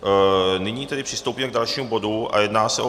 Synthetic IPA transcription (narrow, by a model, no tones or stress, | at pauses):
nɪɲiːt̪ɛdɪpr̝̥ɪst̪owpiːmɛɡ̚dalʃiːmubo̞dua̰jɛdnaːsɛʔo